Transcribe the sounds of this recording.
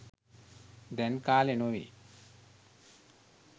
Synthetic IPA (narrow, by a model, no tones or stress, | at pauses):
d̪ɛnkaːlenoʋḭ